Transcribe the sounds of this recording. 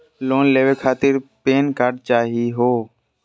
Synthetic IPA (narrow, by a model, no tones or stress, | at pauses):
loːnleːʋekʰaːt̪ɪɾpeːnkaːɾɖt͡ʃaːɦiɦoː